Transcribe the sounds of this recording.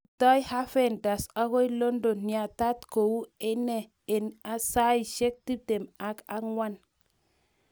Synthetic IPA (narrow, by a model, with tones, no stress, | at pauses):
tɔ˦jha˦fe˦˨nda˨sa˦ɣo˦i˦lo˦ndo˨nːi˨a˨ta˦tko˨wu˦e˦nɛ˨ | e˨na˨sa˦i˨ʃe˦k̚ti˦te˨ma˨ka˦ŋwa˦n